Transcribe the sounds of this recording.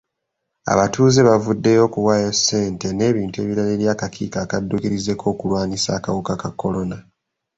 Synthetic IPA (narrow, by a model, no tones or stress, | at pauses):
a̰βatuːzeβavudːe̞jo̞kuwaːjasːe̞ːnte̞ne̞ːβiːntue̞ːβiɾale̞ːɾjaːkakʰḭkaːkadːukiɾize̞kʰo̞ːkulwaːnisaːkawukakakːo̞lo̞na